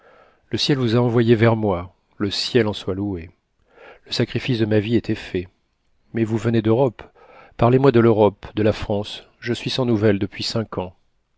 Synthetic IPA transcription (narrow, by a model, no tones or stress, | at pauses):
ləsjɛlvuzaɑ̃vwajevɛʁmwa | ləsjɛlɑ̃swalue | ləsakχifisd̪əmaviɛt̪ʰɛfɛ | mɛvuvəned̪øʁɔp | pːaʁlemwad̪əløʁɔpd̪əlafχɑ̃s | ʒəsɥisɑ̃nuvɛld̪əpɥisɛ̃kʰɑ̃